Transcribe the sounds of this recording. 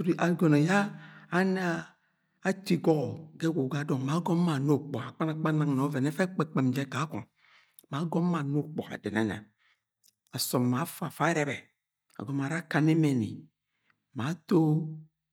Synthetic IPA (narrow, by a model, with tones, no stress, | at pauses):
ɾi˨ʔa˨ɡɔ˨nɔ˨jaː˦n˦aː˦ | ti˨ɡɔ˦˨ɡɛ˦ɡo˨ɡa˨˦dɔ˨ŋ˨ma˨˦ɡɔ˦ma˨no˦˨k͡pɔ˨a˨k͡pa˦na˦k͡pa˦nã˨ŋ˨n˨ɔ˨˦vɛ˨nɛ˦fɛ˦k͡pɛ˨k͡pe˨m˨d͡ʒɛ˨˦ka˨˦kɔ̰˨ | ma˨˦ɡɔ˦m˦ma˨no˦k͡pɔ̰˨a̰˨dɛ˨na̰˨˦na̰˨ | a˨sɔ˨m˨ma˨˦fa˨fa˦ɾɛ˨bɛ˨ | a̰˨ɡɔ˨m˨a˨ɾa˦ka˨ne˦mɛ˨nḭ˨ | ma˨˦to˦